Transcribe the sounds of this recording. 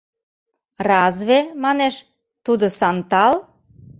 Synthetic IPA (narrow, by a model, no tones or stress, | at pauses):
rɑzβemɑneʃ | t̪ud̪osɑnt̪ɑl